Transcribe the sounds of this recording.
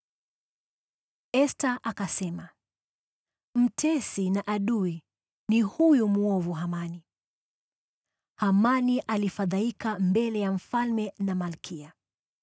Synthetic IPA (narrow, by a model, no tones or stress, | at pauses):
ɛstaʔakasɛma | m̩tʰɛsinaʔaɗui | nihujumuɔvuɦamani | hamaniʔalifaðaikambɛlɛjam̩falmɛnamalkʰia